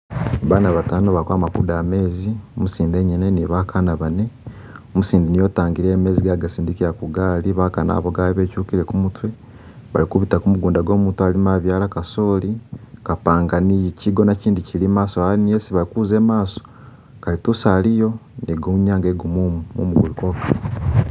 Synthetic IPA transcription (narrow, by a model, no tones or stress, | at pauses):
aβaːnaβataːnoβakwaːmakṵdaːme̞ːziomusiːnde̞ɲine̞niβakʰanaβane̞ | omusiːndinijo̞taːŋɡiɾeːme̞ːziɡaɡasiːndikiɾakuɡaːliβakana̰βoɡaːliβe̞ːcuːkiɾe̞kumutwe̞ | βa̰likuβitakumuɡuːndaɡo̞ːmutualimaβjaːlakaso̞ːlikapaːŋɡaniciɡo̞naciːndicilimaːsoainijesiβalikuːze̞ːmaːso̥ | kalitusalijo̞niɡouɲaːŋɡeɡumumumṵmuɡuluko̞ka